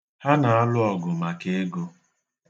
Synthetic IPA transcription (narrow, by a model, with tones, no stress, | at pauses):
ha˦na˨a˦lʊ˦ɔ˨ɡʊ˨ma˨ke˦ɡo˦